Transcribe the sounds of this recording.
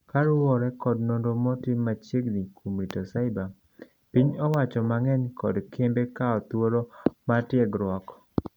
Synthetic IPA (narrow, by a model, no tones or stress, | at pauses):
kaɾʊwɔɾɛkɔdnondomɔtɪmːat͡ʃeɡnikʰumɾitɔsaɪba | piɲɔwat͡ʃɔmaŋɛɲkɔdkʰembekaɔt̪woɾomatɪɛɡɾwɔkɔ̥